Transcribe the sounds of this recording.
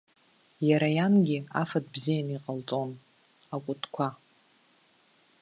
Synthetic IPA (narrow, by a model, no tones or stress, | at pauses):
jaɾajanɡʲɪafadbzijaniqʼalt͡sʼo̞n | akʷʼʊtʰʼkʷʰa